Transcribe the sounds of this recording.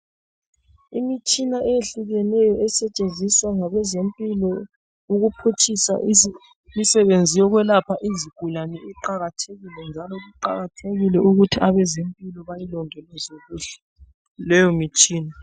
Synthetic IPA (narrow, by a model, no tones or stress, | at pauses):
imit͡ʃʼinaʔɛjeɬuɣɛnɛjɔɛsɛt͡ʃʼend͡zʱiswaŋaβɛzempʼilɔ | uɣupʰut͡ʃʰʼisa̰ | misɛβend͡zʱijɔɣwɛlapʰaʔiziɡ̥ʱulanɛɛǃaɣatʰeɣilɛnd͡ʒʱalɔɣuǃaɣatʰeɣilɛʔuɣutʰiʔaβɛzempʼilɔβajilɔŋɛlɛzoɣuɬɛ̥ | lɛjɔmit͡ʃʼiːna